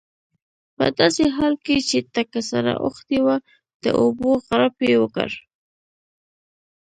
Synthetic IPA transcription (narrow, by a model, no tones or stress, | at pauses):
pə̰d̪ɑseɦɑlket͡ʃet̪akasaɾa̰ʔoxt̪ewa | d̪̥ə̰ʔoboɣaɾapjewəkə̰ɾ